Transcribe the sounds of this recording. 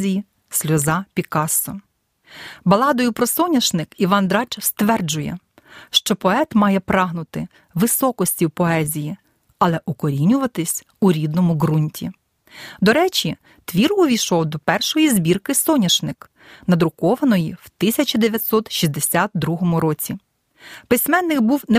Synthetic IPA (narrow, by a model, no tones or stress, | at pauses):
zʲiji | sʲlʲɔzɑpʲikɑsɔ | bɐlˠɑd̪ɔjʊpɾɔsɔnʲɐʃnɪkiʋɑnd̪ɾɑt͡ʃst̪ʋɛrd͡ʒʊjɛ̰ | ʃt͡ʃɔpɔɛt̪mɑjɛpɾɑɦnʊt̪ɪ | ʋɪsɔkɔsʲtʲiwpɔɛzʲiji | ɐlˠɛʔʊkɔɾʲinʲʊʋɐt̪ɪsʲ | uɾʲid̪̚nɔmʊɦɾunʲtʲḭ | d̪ɔɾɛt͡ʃʲi | t̪ʋʲirʊʋʲijʃɔwd̪ɔpɛrʃɔjizʲbʲirkɪsɔnʲɐʃnɪk | nɐd̪ɾʊkɔʋɐnɔjiwt̪ɪsʲɐt͡ʃʲid̪eʋʲjɐt̪ʲsɔt̪ʃʲizʲd̪esʲat̪̚d̪ɾuɦɔmʊɾɔt͡sʲi | pɪsʲmɛnːɪkbuwnɛ